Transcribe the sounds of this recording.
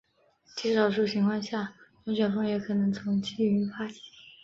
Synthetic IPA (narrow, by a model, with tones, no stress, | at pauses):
t͡ɕi˥˩ʂɑ˨˩ʊʂu˥˩t͡ɕʰi˧˥ŋkʰwɑ˥˧nɕja˥˩wɛ˧˥t͡ɕɥɛ˨˩nfɤ˥ŋjɛ˧˥kʰɤ˨˩nɤ˧˥ŋt͡sʰʊ˧˥ŋt͡ɕʰi˥˩y˧˥fa˥t͡ɕʰi̥˧˥